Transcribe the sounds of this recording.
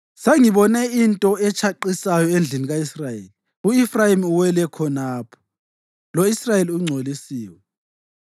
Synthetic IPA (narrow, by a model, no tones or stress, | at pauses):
seŋiβɔnɛintʼɔɛt͡ʃʰaǃisajɔend͡ɮʱiniɣaisrajeːli | uifrajimuwɛlɛkʰɔnaːpʰɔ̥ | loisrajeliuŋ͡ǀʱolisiːwɛ